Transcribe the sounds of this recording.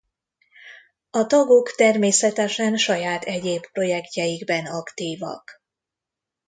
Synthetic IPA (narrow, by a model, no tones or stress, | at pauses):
ɒt̪ɒɡo̞kt̪ɛrmeːsɛt̪ɛʃɛnʃɒjaːt̪ʰɛɟeːppro̞jɛkcɛjiɡbɛnɒkt̪iːvɒ̰k